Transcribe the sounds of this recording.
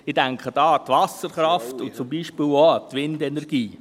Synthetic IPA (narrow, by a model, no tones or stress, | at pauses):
ɪd̥æŋkχəd̥ɑːt̪ʋɑsəɾχɾɑftʊnt͡sʊmbiːʃpɪlotʋɪndɛnɛɾɡ̥iː